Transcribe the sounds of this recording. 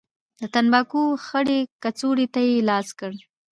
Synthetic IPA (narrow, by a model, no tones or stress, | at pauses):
d̪ət̪anbɑkoxəɽekat͡soɽet̪ajelɑskəɽ